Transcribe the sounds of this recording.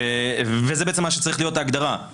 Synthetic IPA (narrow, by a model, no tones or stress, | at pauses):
evezebeet͡semaʃet͡saʁiχlijo̞t̪aːɡd̪aʁa